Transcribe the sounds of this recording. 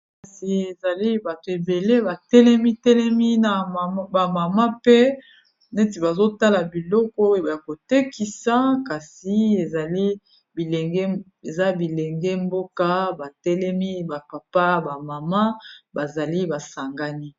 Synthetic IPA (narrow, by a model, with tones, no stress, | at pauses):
ka˨si˨e˨za˨li˦ba˨to˨e˨be˨le˦ba˨tɛ˦lɛ˦mi˦tɛ˦lɛ˦mi˦na˨˦ba˨ma˨ma˦pɛ˦˨ | ne˦t̬i˨ba˨zo˦ta˦la˨bi˨lɔ˦kɔ˦e˨a˨ja˨ko˨te˦kʰi˨sa˦ka˨si˨e˨za˨li˦ | bi˨lɛ˨ŋɡɛ˦ | e˨za˦bi˨lɛ˨ŋɡɛ˦mbo˦ka˦ba˨tɛ˦lɛ˦mi˦ba˨pa˨pa˦ba˨ma˨ma˦ba˨za˨li˦ba˨sa˨ŋɡa˦ni˦